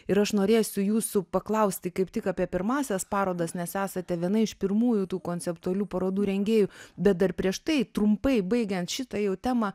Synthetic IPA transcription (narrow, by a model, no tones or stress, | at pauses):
ɪɾɐʃnoːɾʲeːsʲʊjuːsʊpɐklˠɐʊsʲt̪ʲɪkɐɪpt̪ʲɪkɑːpʲiɛpʲɪɾmɑːsʲɛspɑːɾoːd̪ɐsnʲɛsæːsɐt̪ʲɛʋʲiɛnɐɪɪʃpʲɪɾmuːjʊt̪uːkoːnʲt͡ssʲɛpt̪ʊɐlʲuːpɐɾoːd̪uːɾʲɛŋʲɡʲeːjʊbʲɛt̪̚d̪ɐrpʲɾʲiɛʃt̪ɐɪt̪ɾʊmpɐɪbɐɪɡʲɛnt̪ʃʲɪt̪ɐjɛʊt̪ʲæːmɑ